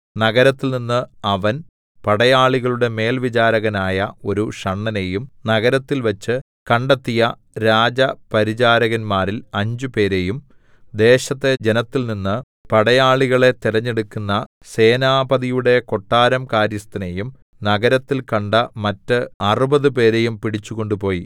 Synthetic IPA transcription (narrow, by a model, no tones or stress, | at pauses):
nɐɣɐɾɐt̪ːilninːɨɐʋɐn | pɐɽɐjaːɭiɣɐɭuɽe̞me̞ːlʋit͡ɕaːɾɐɣɐnaːjɐo̞ɾuʂɐɳːɐne̞jumnɐɣɐɾɐt̪ːilʋɐt͡ɕːɨ | kɐɳɖɐt̪ːijɐ | ɾaːd͡ʑɐpɐɾid͡ʑaːɾɐɣɐnmaːɾilɐɲd͡ʑupe̞ːɾe̞jum | d̪e̞ːɕɐt̪ːe̞d͡ʑe̞nɐt̪ːilninːɨ | pɐɽɐjaːɭiɣɐɭe̞t̪iɾɐɲːeɽukːunːɐ | se̞ːnaːbɐðijuɽe̞ko̞ʈːaːɾɐmkaːɾjɐst̪ɐnejum | nɐɣɐɾɐt̪ːilkɐɳɖɐmɐtːɨɐrubɐðɨpe̞ːɾe̞jumpiɽit͡ɕːuɣo̞ɳɖupo̞ːji